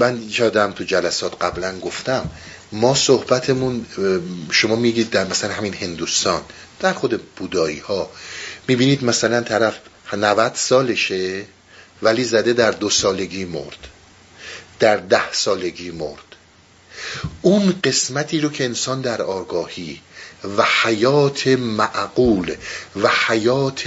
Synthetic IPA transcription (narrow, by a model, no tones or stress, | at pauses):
mænjɒːd̪æmt̪ʰud͡ʒælæsɒːt̪ʰɢæblænɡo̞ft̪æmː | ɒːsohbæt̪ʰemun | ʃo̞mɒːmiɡiːd̪̚ːæɾmæsælænɦæmiːnhe̞nd̪ust̪ɒːnd̪̥æɾxod̪eb̥uːd̪ɒːḭːhɒːmiːbiːniːd̪mæsælænt̪ʰæɾæfnævæd̪̥sɒːle̞ʃe̞ | væliːzæd̪e̞d̪æɾd̪osɒːle̞ɡiːmo̰ɾd̪̥ | d̪̥æɾd̪æhsɒːle̞ɡiːmo̰ɾd̪̥ | ʔunɢe̞smæt̪ʰiːɾocʰe̞ːnsɒːnd̪æɾɒːɡɒːhiːvæhæjɒːt̪ʰemæʔɡuːlvæhæjɒːt̪ʰ